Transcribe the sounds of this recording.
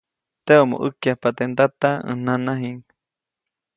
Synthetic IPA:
t̪eomo̰ʔəkjahpat̪end̪at̪aə̰nãnaɦiŋ

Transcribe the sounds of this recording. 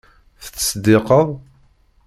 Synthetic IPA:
θət͡sːsd̪ɪqəðˤ

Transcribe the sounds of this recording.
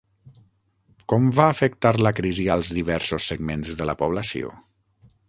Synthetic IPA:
kɔmvaːfəkt̪aɾləkɾiziəlˠzðiβɛɾsosːəɡmenzðələpuβ̞ləsio̰

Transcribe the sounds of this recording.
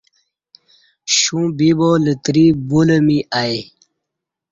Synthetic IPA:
ɕũbibolət̪ɾibuləmiʔaj

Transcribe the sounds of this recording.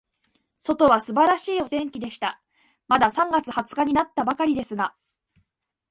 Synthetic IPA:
so̞t̪o̞βasɨbaɾaɕiːo̞t̪ẽ̞ŋkʲid̪e̞ɕi̥t̪a | mad̪asãŋɡat͡sɨhat͡sɨ̥kaɲ̟inat̪ːabakaɾʲid̪e̞sɨɡa

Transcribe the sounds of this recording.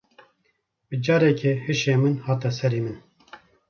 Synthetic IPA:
bɨd͡ʒɑːɾɛkʰehɨʃeːmɨnhɑːt̪ɛsɛɾiːmɨn

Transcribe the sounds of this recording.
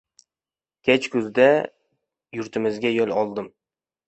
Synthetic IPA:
kʲʰet͡ʃkɵzd̪a | jʊɾt̪ʰɪmɪzɡʲajolˠɒlˠd̪ɪm

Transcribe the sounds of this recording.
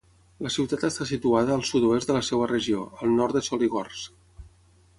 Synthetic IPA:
ləsiwt̪at̪əst̪asit̪uaðəːlˠsut̪oezd̪ələsewərəʒio̰əlˠnɔɾt̪əsɔliɣɔrs

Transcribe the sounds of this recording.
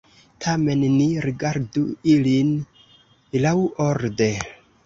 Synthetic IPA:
tʰame̞nːiɾiɡaɾduilin | lawoɾde̞

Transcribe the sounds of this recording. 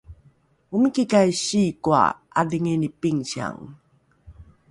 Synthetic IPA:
umikikajɕikua̰ | adiŋenipiŋɕia̰ŋ

